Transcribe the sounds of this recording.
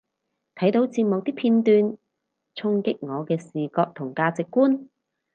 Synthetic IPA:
t̪ʰɐ˨˥jt̪o˨˧˥wt͡siː˧p̚mo˨w̚t̪iː˥pʰiː˧nt̪yː˧n | t͡sʰʊ˧˥ŋkɪ˥k̚ŋɔː˨˧kɛː˧siː˨˩kɔː˧k̚t̪ʰʊ˨˩ŋkaː˧t͡sɪ˨kːuː˥n

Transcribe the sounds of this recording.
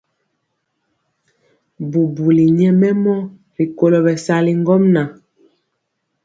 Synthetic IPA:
bu˨bu˨li˨ɲɛ˦mɛ˦mɔ˦ | ɾi˨ko˦lo˨bɛ˨sa˦li˦ŋ˦ɡɔ˦mna˨

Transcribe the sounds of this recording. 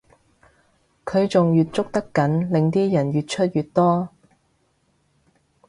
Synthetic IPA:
kʰɵ˨˧ɥt͡sʊ˨ŋjyː˨t̚t͡sʊ˥k̚t̪ɐ˥kːɐ˨˥nlɪ˨ŋt̪iː˥jɐ˨˩njyː˨t̚t͡ʃʰɵ˥t̚jy˨t̚t̪ɔː˥

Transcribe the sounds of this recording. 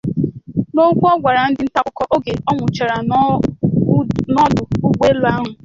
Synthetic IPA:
no˦ɡʷu˦ɔ˦ɡʷa˨ɾa˨n̩˦dɪ˦n̩˦ta˦kʷʊ˨kɔ˦ʔo˦ɡe˨ɔ˦ŋʷʊ˨t͡ʃa˨ɾa˨ | nɔ˦dʊ˨u˦ɡ͡bʷe˦lʊ˨˦a˦ɦʊ˨

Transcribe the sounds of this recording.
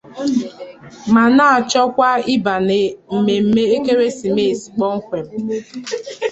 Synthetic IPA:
ma˨na˦a˨t͡ʃɔ˦kʷa˦i˦ba˨ne˨m̩˨me˨m̩˦me˦e˦ke˦ɾe˦si˨me˦˨si̥˨k͡pɔ˦ŋ̩˦kʷe˨m̩˦

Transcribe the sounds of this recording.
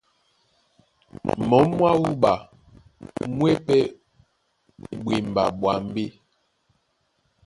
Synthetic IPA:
mɔ˨˦mːwa˦wu˦ba˨ | mwɛ˦pɛ˦ | bwe˨m˨ba̰˨ɓwa˨m˦be˦

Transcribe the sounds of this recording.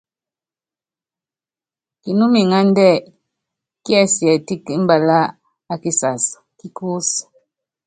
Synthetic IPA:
ki˨nu˦mi˨ŋa˦n˦dɛ˦˨ | ki˦a˦sjɛ˨ti˦ki˦m̩˦ba˨la˦ | a˦ki˦sa˨s | ki˦ku˦s

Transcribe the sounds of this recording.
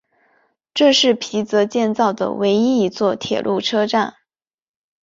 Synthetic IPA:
ʈ͡ʂɤ˥˧ʂɻ̩˥˩pʰi˧˥t͡sɤ˧˥t͡ɕjɛ˥˧nt͡sɑ˥˩ʊd̪ə̰˩we˧˥ɪi˥i˧˥t͡swɔ˥˩t̪ʰjɛ̰˨˩lʔu˥˩ʈ͡ʂʰɤ˥ʈ͡ʂa˥˩n

